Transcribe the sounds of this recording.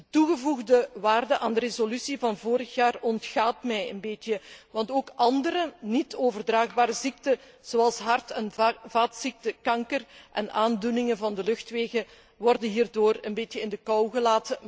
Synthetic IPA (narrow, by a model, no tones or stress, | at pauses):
dətuɣəvuɣdəʋaːrdəʔaːndərezolysivɑnvoːɾəxjaːrɔntxaːtmɛjə̰nbetjəʋɑntoːkʔɑndəɾənitoːvərdraːɣbaːɾəzik̚tə | z̥oːɑlˠsɦɑrtɛnvaːtsik̚təkɑŋkərʔɛnʔaːndunɪŋənvɑndəlɵxtʋeːɣə | ʋɔrdənɦiːrdoːrənbeːtjəɪndəkɑwɣəlaːtə